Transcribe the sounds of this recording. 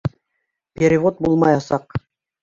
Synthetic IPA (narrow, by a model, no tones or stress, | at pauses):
pʲeɾʲivot̪̚bulˠmɑjɑsɑq